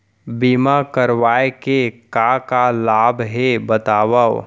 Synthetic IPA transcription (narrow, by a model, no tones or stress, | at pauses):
biːmakəɾʋaːekekakalaːbɦebət̪aːwao